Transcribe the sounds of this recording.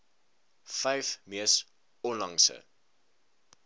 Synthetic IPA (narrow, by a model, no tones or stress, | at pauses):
fɛjfmiəs | ɔnlɐŋsə̰